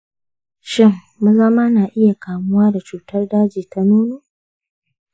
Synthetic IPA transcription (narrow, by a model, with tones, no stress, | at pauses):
ʃɪ˦ŋːu˦zɐ˦maː˦naː˨ʔɪ˦ja˨kaː˨mʊ˦waː˦da˨t͡ʃuː˨tɐ˦rdaː˦d͡ʒiː˨ta˦nuː˦noː˦˨